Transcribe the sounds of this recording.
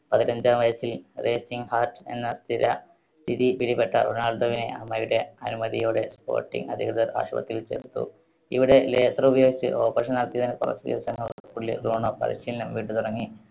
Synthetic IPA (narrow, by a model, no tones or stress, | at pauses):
pɐðinɐɲd͡ʑaːmʋɐjɐsilreːsiŋhaːrʈe̞̰nːɐst̪ʰiɾɐ | t̪iðipiɽipeʈːɐ̰ro̰naːɭd̪ɐʋine̞̰ʔɐmːɐjuɽe̞ɐnumɐðijoːɽe̞spo̞̰ːrʈːḭŋɡɐd̪ʱiɣɾɐðɐɾa̰ːɕɐ̰bɐ̰t̪ːilt͡ɕeːɾt̪ːṵ | iʋiɽe̞leːsɐrubɐjoːɡit͡ɕːɨ̰ʔoːɐbɐʂɐnnɐɽɐt̪ːijɐðinekurɐ̰t̪ːueːsɐŋːɐɭpuɭːḭɾuːɳopɐ̰ɾḭɕiːlɐnɐmʋiːʈːɨt̪uɽɐŋːi